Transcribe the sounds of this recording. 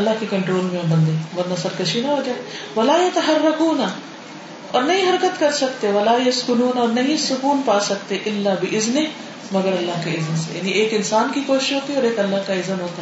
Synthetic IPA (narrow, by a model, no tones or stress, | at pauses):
ɐlːaɦkekɐɳʈɾoːlmẽõnd̪ə̃nd̪eʋɐɾnɐsɐɾkɐʃinaɦod͡ʒaːeʋɐlaːjɐt̪ɐɦɐɾːɐkuːna | ɔːɾnɐɦĩɦɐɾkət̪kɐɾsɐkt̪eʋɐlaːjɐskʊnuːnɔːɾnɐɦĩsʊkuːnpaːsɐk̚t̪eʔɪlːabɪʔɪzne | mɐɡəɾɐlːaɦkeɪzənsḛja̰ːniʔeːkɪnsaːnkikoːʃɪ̥ʃɦoːt̪iɔːɾeːkɐlːaɦkaɪzənɦoːt̪a